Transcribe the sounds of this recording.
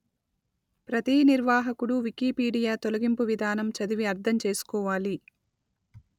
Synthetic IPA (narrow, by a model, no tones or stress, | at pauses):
pɾɐt̪iːniɾʋaːɦɐkuɽuʋikiːpiːɖijaːt̪olɐɡimpuʋid̪ʱaːnɐmt͡ʃɐd̪iʋiɐɾd̪ʰʱɐmt͡ʃe̞ːsu̥kɔːʋaːli